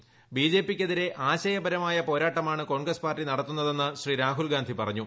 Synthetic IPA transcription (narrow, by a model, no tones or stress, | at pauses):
biːd͡ʑe̞ːpːikʲːeðiɾe̞ʔaːɕɐjɐbɐɾɐmaːjɐpo̞ːɾaːʈːɐmaːɳɨko̞ːɳɡrɐspaːrtʈːinɐɽɐt̪ːunːɐðe̞nːɨɕriːɾaːɦulɡaːnd̪ʱipɐrɐɲːu